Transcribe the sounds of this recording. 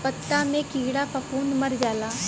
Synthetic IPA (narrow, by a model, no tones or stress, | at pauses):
pət̪ːamẽkiːɽapʰɐpuːnmɐɾd͡ʒaːlaː